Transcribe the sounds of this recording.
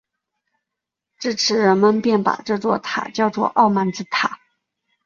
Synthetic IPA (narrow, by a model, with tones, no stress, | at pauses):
ʈ͡ʂɻ̩˥˩ʈ͡ʂʰɻ̩˧˥ɻə˧˥nmə˧npjɛ˥˩npa̰˨˩ʈ͡ʂɤ˥˧t͡swɔ˥˩t̪ʰa̰˨˩t͡ɕjɑ˥˧ʊt͡swɔ̰˥˧ʔɑ˥˧ʊma˧˥nt͡sɹ̩˥˩t̪ʰa̰˨˩˦